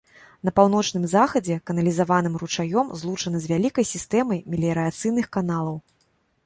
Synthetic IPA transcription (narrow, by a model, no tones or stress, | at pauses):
n̪ɐpawnɔt͡ʂnɨmzaxɐd͡zʲɛkɐnɐlʲizavanɨmrut͡ʂajɔmzlˠut͡ʂɐnɐzʲvʲalʲikɐjsʲist̪ɛmɐjmʲilʲiɾɨat̪sɨjnɨxkanalˠɐw